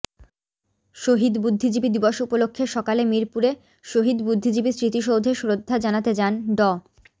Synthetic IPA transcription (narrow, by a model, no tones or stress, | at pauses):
ʃoɦid̪bud̪ʱːid͡ʑibid̪ibɔʃupolokʰːeʃɔkalemiɾpuɾe | ʃoɦid̪bud̪ʱːid͡ʑibisɾit̪iʃowd̪ʱeʃuɾod̪ʱːad͡ʑanat̪ed͡ʑanɖɔ